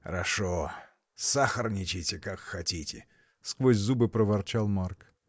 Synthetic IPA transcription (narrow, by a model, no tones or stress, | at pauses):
xəɾɐʂo | saxərnʲɪt͡ɕɪtʲɪkakxɐtʲitʲɪ̰ | skvosʲzubɨpɾəvɐrt͡ɕalˠmark